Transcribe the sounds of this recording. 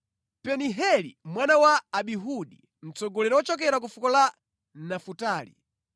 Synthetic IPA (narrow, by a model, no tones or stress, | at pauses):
pɛniɦɛlḭmwanawaːɓiɦuɗi | m̩t͡sɔɡɔlɛɾɔɔt͡ʃɔk̬ɛɾak̬ufukɔla | nafutaːlḭ